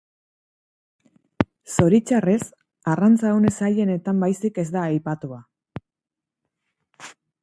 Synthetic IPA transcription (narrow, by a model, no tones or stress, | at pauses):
so̞ɾit͡ʃare̞s | arant͡saune̞saʎe̞ne̞t̪ambajsike̞zd̪aːjpat̪ua